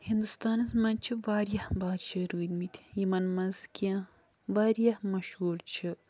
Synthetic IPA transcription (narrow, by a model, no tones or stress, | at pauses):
hind̪ust̪aːnɐsmɐnt͡ʃʰiʋaːɾjɐhbaːd̪ʃɐɾuːd̪mit̪ʲʰi̥jimɐnmɐzkijã | ʋaːɾijɐhmɐʃhuːɾt͡ʃʰi